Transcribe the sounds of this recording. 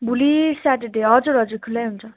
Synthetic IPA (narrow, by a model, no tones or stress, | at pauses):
bulisaʈeɖeʌd͡zoɾʌd͡zukʰulajɦunt͡sʰʌ